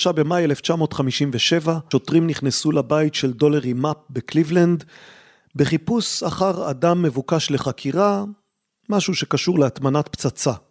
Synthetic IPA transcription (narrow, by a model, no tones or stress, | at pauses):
ʃabe̞majele̞ft͡ʃamo̞ːtχamiʃimveʃe̞vaʃo̞tʁimniχnesulabajitʃe̞ldo̞leʁimap̚beklivland̪ | beχipusaχaʁa̰damːe̞vukaʃleχakʰiʁa | maʃuʃe̞kaʃuʁleat̪manat̪̚pt͡sat͡sa